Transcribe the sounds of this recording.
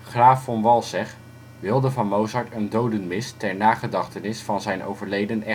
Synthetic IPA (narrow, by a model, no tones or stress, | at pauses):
χraːfɑnʋɑlˠsɛχ | ʋɪlˠdəvɑnmowzɑɹtəndowdənmɪstɛɹnaːχədɑχtənɪsfɑnzɛjnʔo̰wvəɹlejdənɛ